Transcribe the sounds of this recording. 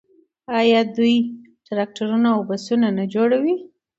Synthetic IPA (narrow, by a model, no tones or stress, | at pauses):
ɑjɑd̪uj | taɾak̚ʈaɾunaawbasunanad͡ʒoɽawi